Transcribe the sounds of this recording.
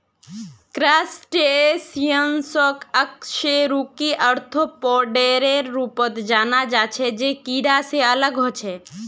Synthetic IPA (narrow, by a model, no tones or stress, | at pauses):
kɾaːsʈesijənsɔkəkʃeɾukiʔəɾt̪ʰopɔɾɖeɾeɾːupət̪d͡ʒaːnad͡ʒat͡ʃʰed͡ʒekiɾaseələɡɦot͡ʃʰe